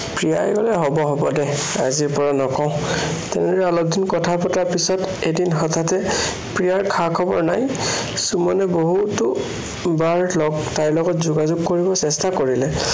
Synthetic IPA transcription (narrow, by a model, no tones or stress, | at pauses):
pɹija̰jɡɔlɛɦɔbɔɦɔbɔdɛ | a̰ziɹpɔɹanɔkɔʊ̃tɛ̰nɛdɔɹɛalɔdʱinkɔtʰapɔtaɹpisɔtedinɦɔtʰatɛ | pɹijaɹkʰakʰɔbɔɹnaj | sumɔnɛboɦutʊ | baɹlɔɡtaɹlɔɡɔtzuɡazʊɡkoɹibɔsɛstakoɹilɛ